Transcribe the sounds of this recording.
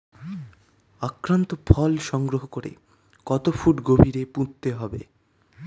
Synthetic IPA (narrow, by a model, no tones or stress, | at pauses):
akɾant̪ofʰɔlʃɔŋɡɾoɦokoɾḛ | kɔt̪ofuʈɡobʱiɾepũt̪t̪ːeɦɔbḛ